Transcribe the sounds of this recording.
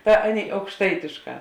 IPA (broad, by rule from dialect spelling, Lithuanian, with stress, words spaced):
ˈtɐ ˈɑːˌnʲeːɪ ɐʊkʃˈtɐɪtʲeːʃˌkɑː